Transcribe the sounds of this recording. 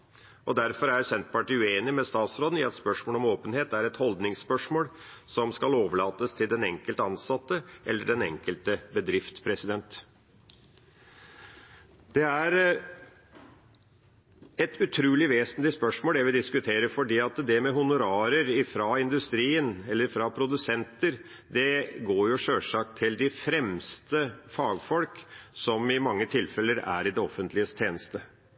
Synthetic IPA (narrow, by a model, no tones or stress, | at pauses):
ʔɔd̪æɾfɔɾæɾsɛnt̪pɑʈiːʉeːnɪmɛst̪ɑːt̪sɾoːd̪n̩ɪɛt̪spœʂmoːlɔmoːpənheːt̪æɾɛt̪hɔld̪nɪŋspœʂmoːlsɔmskɑloːʋəɭɑːt̪əst̪ʰɪld̪ɛnɛ̰ŋkəlt̪əɑnsɑt̪ːəʔɛlːəɖɛnɛ̰ŋkəlt̪əbəd̪ɾɪft̪pʰɾɛsɪd̪ɛnt̪ | d̪̥ɛæɾ | ɛt̪ʉt̪ʰɾʉːlɪʋeːsənlɪspœʂmoːlɛʋɪd̪ɪskʉt̪ʰeːɾəfɔɖiːɑt̪d̪ɛmɛɦʊnʊɾɑːɾəɾɪfɾɑɪnd̪ʉst̪ɾiːənɛlːəɾfɾɑpʰɾʊd̪ʉsɛnt̪əɾ | d̪ɛɡoːɾjʊʂøːʂɑk̚t̪ʰːɪld̪ɪfɾɛmst̪əfɑːɡfɔlksɔmɪmɑŋːət̪ʰɪlfɛləɾæ̰ɾɪd̪ɛɔfːənt̪ʰlɪəst̪ʰeːnəst̪ə